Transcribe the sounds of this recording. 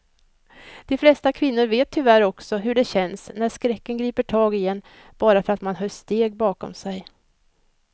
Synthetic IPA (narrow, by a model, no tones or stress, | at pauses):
d̪̥ɛflɛst̪akʰvɪnːʊɾveːt̪ʰːʏvæɾɔksɔɦɵɖɛɕɛnsnæʂkɾɛkːənɡɾiːpəʈʰɑːɡɪjɛnː | b̥ɑːɾafœɾat̪manɦœːʂt̪eːɡ̚bɑːkɔ̰msɛj